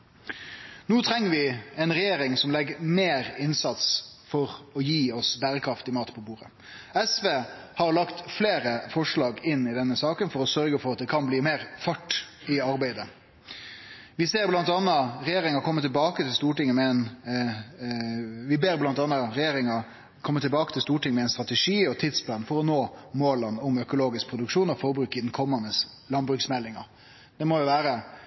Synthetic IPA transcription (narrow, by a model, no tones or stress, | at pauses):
nuːt̪ʰɾɛŋːəʋɪɛnɾɛjeːɾɪŋsɔmlɛɡəmeːɾɪnsɑt̪sfɔɾɔjiːɔsbæːɾəkʰɾɑft̪ɪmɑːt̪pʰɔbuːɾə̰ | ɛsʋeːhɑɾlɑkt̪fleːɾəfɔʂɭɑːɡɪnːɪd̪ɛnːəsɑːkənfɔɾɔsœɾɡəfɔɾɑt̪̚d̪ɛkʰɑnbliːmeːɾfɑʈː | ɪɑɾbæɪd̪ə | ʋɪseːɾblɑnt̪ɑnːɑɾɛjeːɾɪŋɑkʰɔmːət̪ɪlbɑːkət̪ʰɪlst̪uːʈɪŋːəmɛɛɪn | ʋɪbeːɾblɑnt̪ɑnːɑɾɛjeːɾɪŋɑ | kʰɔmːət̪ʰɪlbɑːkət̪ʰɪlst̪uːʈɪŋəmɛɛɪnst̪ɾɑt̪əʂiːɔt̪ʰɪd̪spʰlɑnfɔɾɔnoːmoːlənʊmœkʊloːɡɪsk̚pɾʊd̪ʉkʂuːnɔfɔɾbɾʉːkːɪd̪nkʰɔmːənːəslɑnbɾʉksmɛlːɪŋɑ̰ɾ | d̪̥ɛmɔjʊʋæːɾə